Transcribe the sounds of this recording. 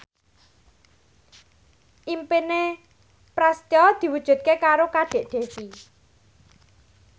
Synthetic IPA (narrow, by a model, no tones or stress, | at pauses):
ʔimpine | pɾast̪ɔd̪̥i̤wud̥ʒ̥ṳd̪̚kekaɾokaɖ̥e̤ʔd̪̥e̤si